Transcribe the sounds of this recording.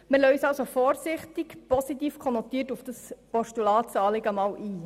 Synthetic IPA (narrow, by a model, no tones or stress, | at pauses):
məlœɥsɑlsofɔːɾsɪχtɪkpɔsitiːfkʰχɔnɔtiːtufd̥ɑspɔʃtulɑːtsɑːlɪɡəmɑːwʔiː